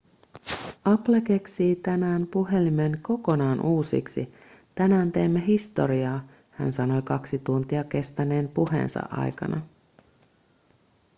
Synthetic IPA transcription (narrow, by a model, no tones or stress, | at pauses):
ɑplek̟e̞ksiːt̪ænæːmpuɦe̞limenko̞ko̞nɑːnʔuːsḭksi | t̪ænæːnt̪e̞jmːeɦist̪o̞̰ɾiɑː | hæ̰nsɑno̞jkɑksit̪unt̪iɑke̞st̪æne̞ːmpuhḛːnsɑ̰ʔɑ̰jkɑ̰nɑ